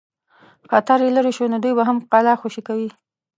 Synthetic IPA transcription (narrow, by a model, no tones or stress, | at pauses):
xat̪aɾjelaɾiʃonod̪ujbaɦamqɑlɑxoʃikawi